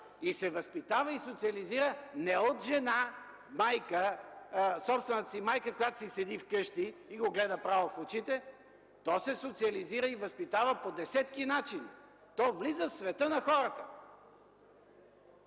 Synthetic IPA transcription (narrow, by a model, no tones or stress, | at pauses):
isɛvɐspit̪avəisot̪siɐliziɾənɛot̪ʒɛna | majkə | sɔpst̪vɛnt̪ə̥simajkəkojat̪o̥sisɛd̪ifkɤʃt̪iːɡoɡlɛd̪əpɾavofot͡ʃit̪ɛ | t̪ɔsɛsot̪siɐliziɾəivɐspit̪avəpod̪ɛsɛt̪kinat͡ʃini | t̪ɔvlizəfsvɛt̪ɤnɐxɔɾət̪ə